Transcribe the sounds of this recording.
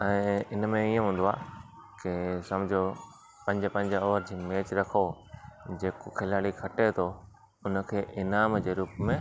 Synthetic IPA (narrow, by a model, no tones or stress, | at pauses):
ɛ̃ːɪnmẽiõɦũːn̆d̪oa̰ː | kɪsɐmd͡ʑʱo | pɐ̃ɲd͡ʑəpɐ̃ɲd͡ʑɔːəɾd͡ʑiːmeːt͡ɕɾɐkʰo | d͡ʑeːkokʰɪlaːɽikʰɐʈet̪ʰo | ʊnə̆kʰeːʔɪnaːmd͡ʑeːɾuːpmẽ